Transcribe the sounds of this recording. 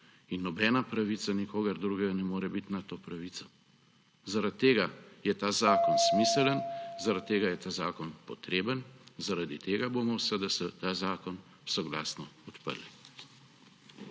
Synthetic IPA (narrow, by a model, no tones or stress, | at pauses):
inːɔbɛːnapɾaʋisanikʰoːɡɐɾd̪ɾuɡɛɡanɛmoːɾɛbit̪nat̪oːpɾaʋit̪sɔ | zaɾat̪̚ːeːɡajɛt̪aːzaːkɔnsmiːsɛlənzaɾat̪̚t̪ːeːɡajɛt̪aːzaːkɔnpɔt̪ɾeːbənzaɾad̪it̪eːɡabomɔwsəd̪ɐsɛt̪aːzaːkɔn | wsɔɡla̰ːsnɔɔt̪pə̰ɾli